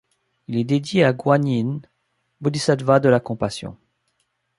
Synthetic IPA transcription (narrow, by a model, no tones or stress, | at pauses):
ilɛd̪ed̪jeaɡwaɲin | bod̪isad̪vad̪əlakɔ̃pasjɔ̰̃